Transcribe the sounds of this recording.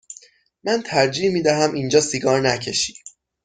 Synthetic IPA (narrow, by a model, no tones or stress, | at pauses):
mænt̪ʰæɾd͡ʒiːhmiːd̪æɦæmʔind͡ʒɒːsiɡɒːɾnæcʰe̞ʃiː